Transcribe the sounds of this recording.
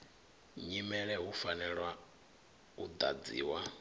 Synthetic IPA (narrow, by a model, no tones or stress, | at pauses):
ɲimɛɺɛɦufanɛɺwa | ud̪a̰d͡zḭːwa